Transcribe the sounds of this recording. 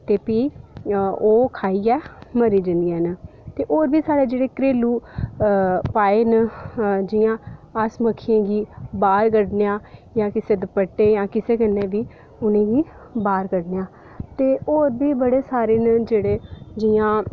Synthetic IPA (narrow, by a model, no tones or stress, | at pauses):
t̪eːpiː | oːkʰaːiːɛːməɾiːd͡ʒənd̪iɛːnt̪eːʔoːɾbiːsaːɽeːd͡ʒeːɽeːkɾeːluː | paːeːnəd͡ʒɪjãːəsməkʰːẽːɡiːbaːɾɡəɖneːãːjãːkɪseːd̪əpəʈːeːjãːkɪseːkənːẽːbiː | ʊnẽːɡiː | baːɾkəɽneːaː | t̪eːoːɾbiːbəɽeːsaːɾeːnd͡ʒeːɽeːd͡ʒijãː